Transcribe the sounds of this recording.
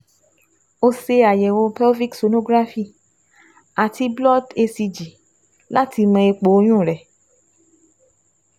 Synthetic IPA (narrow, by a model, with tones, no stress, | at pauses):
o˧se˧a˨jɛ˨wo˧pɛ˦vi˦kso˧no˧ɡɾa˦fi˦˨ | a˨tʰi˧blɔ˦te˧si˧d͡ʒi˨ | la˦tʰi˧mã˧e˧k͡po˨˦o˧˦j̃ũ˦˨ɾɛ˨